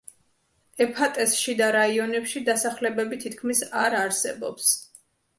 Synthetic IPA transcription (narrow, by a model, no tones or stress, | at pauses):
ɛpʰat̪ʼɛsʃid̪aɾaiɔnɛpʃid̪asaχlɛbɛbit̪ʰit̪̚ʰkʰmisaɾaɾsɛ̰bɔ̰ps